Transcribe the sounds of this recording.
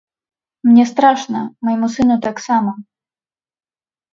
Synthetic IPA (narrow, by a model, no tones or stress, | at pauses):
mnʲɛst̪ɾaʂnɐmɔjmusɨnut̪aksamɐ